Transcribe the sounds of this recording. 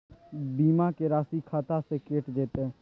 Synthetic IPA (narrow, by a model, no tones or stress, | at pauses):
biːmakeɾaːsikʰaːt̪asekeːʈd͡ʒeːt̪eɦɛ̃ː